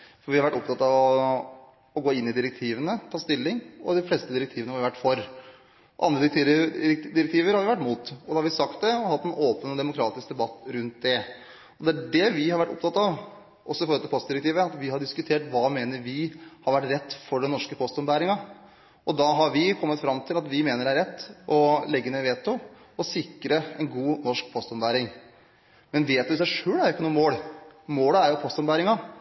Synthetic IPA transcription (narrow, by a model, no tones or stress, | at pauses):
fɔɾʋɪhɑɾʋæʈːɔpt̪ɑt̪ːɑʋɔ | ɔɡoːɪnːɪd̪ɪɾɛk̚t̪ʰiːʋənət̪ʰɑːst̪ɪlːɪŋɔd̪ɪfleːst̪əd̪ɪɾɛk̚t̪ʰiːʋənəhɑɾʋæʈːfɔɾ | ɔʔɑnd̪ɾəd̪kt̪ʰiːd̪ɪɾɛk̚t̪ʰiːʋəɾhɑɾʋɪʋæʈːmuːt̪ɔd̪ɛhɑɾʋɪsɑkt̪̚d̪ɛɔhɑt̪ːɛnoːpənɔd̪ɛmʊkʰɾɑːt̪ɪsk̚d̪ɛbɑt̪ːɾʉnt̪̚d̪ɛ | ɔd̪ɛæɖɛʋɪhɑɾʋæʈːʊ̰p̚t̪ɑt̪ːɑʋ | ʔɔsːɔɪfɔɾɔlt̪ɪlpʰɔst̪d̪ɪɾək̚t̪iːʋəɑt̪ʋɪɦɑɖɪskʉt̪ʰeːʈʋɑːmeːnəɾʋɪhɑɾʋæʈːɾɛt̪ːfɔɖɛnɔʂkəpʰɔst̪ɔmbæːɾɪŋɑ | ʔɔd̪ɑɦɑɾʋɪkʰɔmːət̪fɾɑmt̪ʰɪlɑt̪ʋɪmeːnəɖæɾɛt̪ːɔlɛɡːəneʋeːt̪ʊ | ɔsɪkɾəɛnɡuːnɔʂk̚pʰɔst̪ɔmbæːɾɪŋ | mɛnʋeːt̪ʉɪs̬æɪʂøːlæɾjʊɪkːənuːəmoːlmoːləæɾjʊpʰɔst̪ɔmbæːɾɪŋɑ